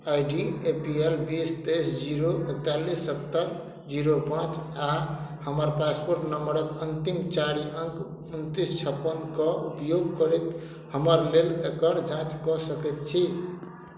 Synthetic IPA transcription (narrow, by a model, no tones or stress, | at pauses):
ajɖiepielbist̪esd͡ʒiɾoʔek̚t̪alisːət̪ːəɾ | d͡ʒiɾopãt͡ʃahəməɾpaspoɾʈnəmbəɾəkənt̪imt͡ʃaɾiʔəŋk | unt̪ist͡ʃʰəpːənkəupjoɡkəɾɛt̪ | həməɾlelekəɾd͡ʒãt͡ʃkɔsəkɛt̪̚t͡ʃʰi